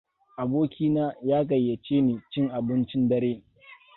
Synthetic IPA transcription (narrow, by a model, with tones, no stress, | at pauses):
ʔa˨boː˦kʲiː˦naː˦jaː˦ɡɐ˨jːɐ˨t͡ʃeː˦neː˨t͡ʃɪ˦ŋʔa˨bɪ˦nt͡ʃɪ˦ndɐ˦ɾeː˦